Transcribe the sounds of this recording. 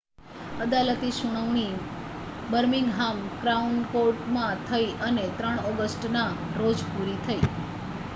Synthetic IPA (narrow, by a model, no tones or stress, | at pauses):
əd̪alət̪iʃuɽ̃əʋɳ̃i | bəɾmiŋɡɦamkɾaunkoʈmãt̪ʰəiʔənet̪ɾəɳ̃ɔɡəsʈnaɾod͡ʒpuɾit̪ʰəi